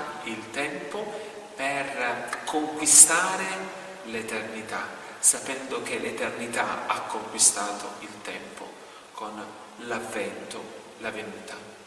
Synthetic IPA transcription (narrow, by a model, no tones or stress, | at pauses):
ilt̪ɛmpo | perkʰoŋkwist̪aːɾe | let̪ernit̪a | sapɛnd̪ʊk̟elet̪ernit̪aakːoŋkwist̪aːt̪o̰ilt̪ɛmpo̰ | kon | lavːɛnt̪o | lavenuːt̪a